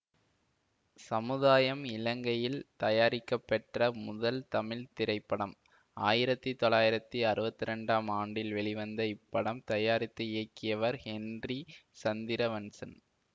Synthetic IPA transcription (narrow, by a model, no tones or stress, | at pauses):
sɐmɯðaːjɐmɪlɐŋɡɐjɪlt̪ɐjaːɾɪkːɐpːɛʈrɐmʊðɐlt̪ɐmɪlt̪ɪɾɐɪpːɐɽɐm | aːjɪɾɐt̪ːit̪ɔlaːjɪɾɐt̪ːiɐɾɯbɐt̪ːɪɾɛɳɖaːmaːɳɖɪlʋɛɭɪʋɐnd̪ɐɪpːɐɽɐmt̪ɐjaːɾɪt̪ːɯɪjɐkːɪjɐʋɐɾhɛndrisɐnd̪ɪɾɐʋɐnsɐn